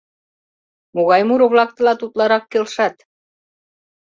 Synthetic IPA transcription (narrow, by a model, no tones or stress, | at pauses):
moɣɑjmuɾŏβlɑk̚t̪ɤ̆lɑt̪ut̪lɑɾɑkːelʃɑt̪